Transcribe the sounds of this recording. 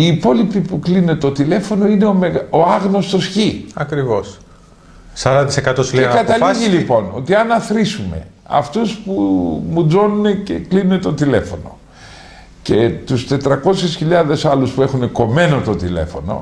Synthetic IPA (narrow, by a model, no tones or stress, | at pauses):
iːpo̞lipipuklinuet̪o̞t̪ile̞fo̞no̞ineomeɣoɐɣno̞st̪o̞sçiɐkɾivo̞s | sɐɾɐɐt̪isekɐt̪osileekɐt̪ɐliʝilipo̞no̞̰t̪iɐnɐθɾisume̞̰ | ɐ̰ft̪uspumuzo̞nune̞ce̞klinunet̪o̞t̪ile̞fo̞no̞̰ | cet̪ust̪e̞t̪ɾɐko̞sisçiʎɐðe̞sɐluspue̞xune̞ko̞me̞no̞t̪o̞t̪ile̞̰fo̞̰no̞̰